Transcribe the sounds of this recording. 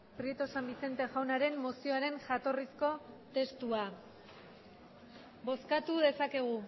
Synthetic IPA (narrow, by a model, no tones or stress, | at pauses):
pɾie̞t̪o̞sambise̞nt̪e̞ʝawnaɾe̞mːosio̞aɾe̞nʝat̪o̞risko̞t̪e̞st̪ua | bo̞skat̪uðe̞sake̞ɣ̞u